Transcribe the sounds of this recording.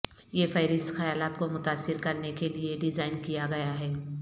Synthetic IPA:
jefɐɪɾɪst̪xɐjaːlaːt̪komʊt̪aːsːɪɾkɐɾnekelieɖɪzaːɪnkijaɡɐjaɦɛː

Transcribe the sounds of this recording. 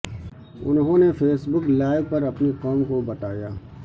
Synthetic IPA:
ʊ̰nɦõːnefʰeːsbʊklaːɪɡ̚pɐɾɐpnikɔːmkobɐt̪aːjaː

